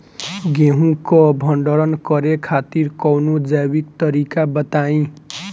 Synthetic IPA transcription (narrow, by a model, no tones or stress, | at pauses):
ɡeɦũkobʱʌɳɖʌɾʌnkʌɾekʰat̪iɾkʌwnod͡zabikt̪ʌɾikabʌt̪aĩ